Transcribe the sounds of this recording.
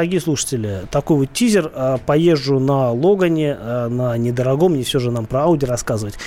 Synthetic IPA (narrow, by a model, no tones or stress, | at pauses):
əɾɐɡʲijəsˠuʂə̥tʲɪlʲɪt̪ɐko̞jvot̪tʲizʲɪrəpɐje̞ʐːʊnɐlˠo̞ɡənʲɪnənʲɪd̪əɾɐɡo̞mnʲɪfsʲoʐɨnampɾəaʊdʲɪrɐskazəvətʲ